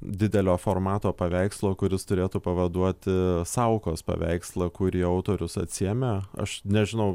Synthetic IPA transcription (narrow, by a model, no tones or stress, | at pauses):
d̪ʲɪd̪ʲɛlʲoːfoːrmɑːt̪oːpɐʋʲæɪkslˠoːkʊɾʲɪst̪ʊɾʲeːt̪uːpɐʋɐd̪uɔt̪ʲɪsɐʊkoːspɐ̰ʋʲæ̰ɪkslˠɐkʊɾʲiːɐʊt̪oːɾʲʊsɐt̪ʲsʲiɛmʲeɐ̰ʃnʲɛʒʲɪnɐʊ